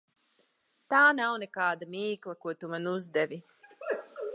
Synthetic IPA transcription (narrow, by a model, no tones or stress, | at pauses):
t̪aːnawnɛkaːd̪amiːklˠakuɔt̪umanuzd̪ɛvʲi